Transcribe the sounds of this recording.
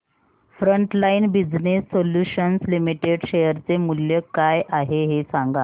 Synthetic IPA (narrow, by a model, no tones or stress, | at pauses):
fɾəɳʈlainbid͡znesːoljuɕənslimiʈeɖɕejəɾt͡semuljəkajʔaɦeɦesãŋɡa